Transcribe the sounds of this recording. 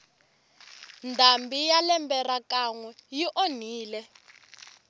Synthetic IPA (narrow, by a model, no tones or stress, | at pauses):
ndambijalɛmbɛɾakaŋwɛjiʔon̤iːlɛ